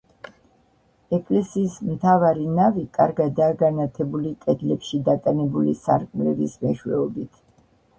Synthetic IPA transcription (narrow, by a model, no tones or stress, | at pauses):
ɛkʼlɛsiːsmt̪ʰavaɾinavikʼa̰ɾɡad̪aːɡanat̪ʰɛbulikʼɛd̪lɛpʃid̪akʼɛnɛbulḭsa̰ɾkʼmlɛvismɛʃwɛ̰ɔbit̪ʰ